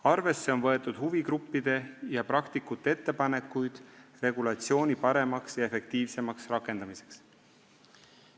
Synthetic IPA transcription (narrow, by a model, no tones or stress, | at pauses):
ɑrve̞sːe̞o̞nvɤ̞e̞t̪ːˑud̪̥huviɡɾupːid̪̥e̞jɑpɾɑkt̪ikːˑut̪ːˑee̞t̪ːe̞pɑne̞kːujd̪̥re̞ɡulɑt̪sio̞ːnʲipɑɾe̞mɑksjɑe̞fe̞k̚t̪iːvse̞mɑksrɑkːˑe̞nd̪ɑmise̞̥ks